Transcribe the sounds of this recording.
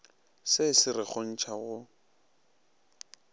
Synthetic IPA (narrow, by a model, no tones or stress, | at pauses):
sɪsɪrɪk͡xɔn̩t͡ʃʰaɣʊ